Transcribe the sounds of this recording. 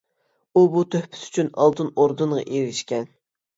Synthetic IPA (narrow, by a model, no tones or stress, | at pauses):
ubut̪ʰøhpʰɪ̥sy̥t͡ʃʰynɑ̰lˠd̪ɨnoɾd̪unʁɑ̰ʔeɾɪʃkʲɛn